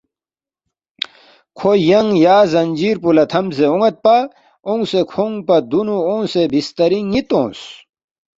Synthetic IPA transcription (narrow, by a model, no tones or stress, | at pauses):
kʰojɐŋjaːzɐɲʲd͡ʑiːɾpulɐt̪ʰɐmseoŋɐt̪̚paː | õŋsekʰoŋpɐd̪unuõːsebist̪ɐɾiŋit̪õ̰ːs